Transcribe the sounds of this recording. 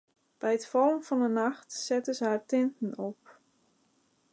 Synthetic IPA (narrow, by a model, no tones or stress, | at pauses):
b̥ɛjətfɑlənfɔnənɑxtsɛtəsəɦaːɹtɪntən̩ɔp̚